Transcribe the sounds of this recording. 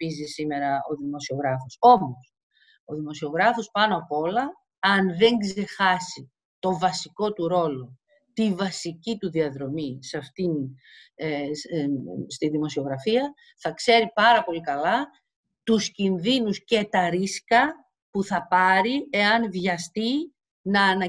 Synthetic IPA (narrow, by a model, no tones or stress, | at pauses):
izisime̞ɾɐo̞ðimo̞sio̞ɣɾɐfo̞so̞mos | o̞ðimo̞sio̞ɣɾɐfo̞spɐnoɐpoo̞lɐ | ɐnðe̞ŋɡze̞xɐsi | t̪o̞vɐsiko̞t̪uɾo̞lo̞ | t̪ivɐsicit̪uðiɐðɾo̞misɐft̪in | st̪iðimo̞sio̞ɣɾɐfiɐ | θɐkse̞ɾipɐɾɐpo̞likɐlɐ | t̪uscinðinusce̞t̪ɐɾiskɐ | puθɐpɐɾie̞ɐnðʝɐst̪i | nɐːnɐ